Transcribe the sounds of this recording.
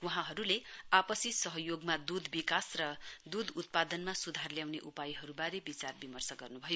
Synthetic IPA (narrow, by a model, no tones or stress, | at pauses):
wuɦãɦʌɾuleapʌsisʌɦʌjoɡmad̪ud̪ʱbikasrʌd̪ud̪ut̪̚pad̪ʌnmasud̪ʱarljawneʔupajɦʌɾubaɾebit͡sarbimʌrsʌɡʌrnubʱʌjo